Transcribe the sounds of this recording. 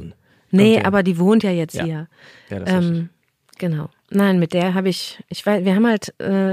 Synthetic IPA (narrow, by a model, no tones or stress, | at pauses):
n | nəʔa̰ːbɐdiːvoːntjaːjɛt͡sthiːɐ̰ | ʔɛːm | ɡ̥ənaʊ | naɪnmɪt̚d̥eːɐɦaːbəɪçʔɪçv̥aɪsviːɐɦaːmhaltʔɛː